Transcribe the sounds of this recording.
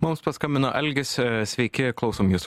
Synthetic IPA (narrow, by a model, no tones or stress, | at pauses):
mʊmspɐskɐmʲbʲɪnoʔɛlʲɡʲɪssʲʋʲɛɪkʲɪklˠɒʊsoːmjuːs